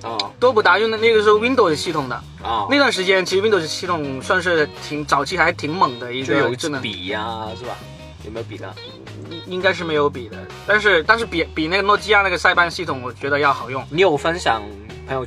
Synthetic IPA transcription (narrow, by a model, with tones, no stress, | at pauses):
ɔ˥˧˩t̪wɔ˥pu˥˩t̪a˧˥jo˥˧n˥˧n˥˩ɡə˧o˥˧wi˥nd̪o˥˩ʊsɕi˥˩t̪ʰʊ˨˩ŋd̪ə̰˦˧ | a˥˧ɪwa˥˩nʂɻ̩˧˥t͡ɕjɛ˥nt͡ɕʰʂɻ̩˧i˥nd̪o˥˩ɕi˥˩t̪ʰʊ˨˩˦ŋswa˥˧ŋʂ̬ɻ̩˥˩t̪ʰi˧˥ŋt͡sɑ˨˩ʊt͡ɕʰi˧˥xa˧ɪʂɻ̩˥t̪ʰi˧˥ŋmə˨˩ŋd̪ə˦i˧˥ɡə˧˨˧ʈ͡ʂ̩˥˩nə˧˥i˨˩a˧ʂɻ̩˥˩bɐ̰˩ | jo˨˩me˥o˧pḭ˨˩lə̰˦˥˩ | i˥ŋka˥ɪʂ̬ɻ̩˥˩me˧˥ɪjo˧˥ʊpi˨˩d̪ə˦ | t̪a˥˧nʂ̬ɻ̩˥˧t̪nʂɻ̩˥˩pi˨˩pi˨˩na˥˩ɡə˩nwɔ˥˩t͡ɕi˥ja˥na˥˩ɡə˩sa˥˧ɪpa˥˧nɕi˥˩t̪ʰʊ˨˩˦ŋwɔ˨˩t͡ɕɥɛ˧˥d̪ə˧jɑ˥˩ʊxɑ˨˩ʊjʊ˥˩ŋni˧˥jo˨˩ʊfə˥nɕjɑ̰˨˩ŋ | pʰə˧˥ŋjo˧˩